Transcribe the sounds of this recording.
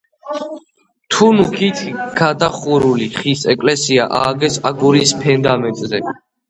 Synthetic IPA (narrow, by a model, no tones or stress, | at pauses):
t̪ʰunukʰit̪ʰɡ̥ad̪aχuɾuliχisɛkʼlɛsiaʔaːɡɛsaɡuɾispʰɛnd̪amɛnt̪ʼzɛ